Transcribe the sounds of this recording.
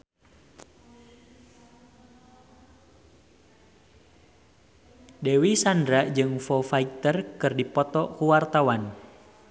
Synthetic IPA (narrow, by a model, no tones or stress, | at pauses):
dewisandɾaʔd͡ʒɨŋfɔfait̪ərkɨrdipɔt̪ɔkuwart̪awan